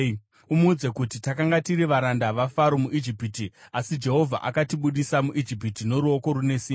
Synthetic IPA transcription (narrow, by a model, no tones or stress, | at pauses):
umuːd͡zekutitakaŋɡatiɾiʋaɾandaʋafaɾomuʔid͡ʒipitiasid͡ʒe̞ɦo̞vʱa̰ʔakatiɓuɗisamuʔid͡ʒip̬itino̞ɾuo̞ko̞ɾune̞siː